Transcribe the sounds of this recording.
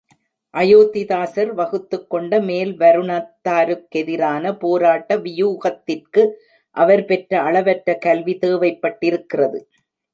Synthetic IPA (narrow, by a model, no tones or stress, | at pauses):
ʔɐjoːt̪ɪðaːsɐɾʋɐɣɯt̪ːɯkːɔɳɖɐmeːlʋɐɾɯɳaːt̪ːaːɾɯkːɛðɪɾaːnɐpoːɾaːʈːɐʋɪjuːɣɐt̪ːɪrkɯ | ʔɐʋɐɾpɛʈɾɐɐɭɐʋɐʈɾɐkɐlʋit̪eːʋɐɪpːɐʈːɪɾɯkːɪrɐðɯ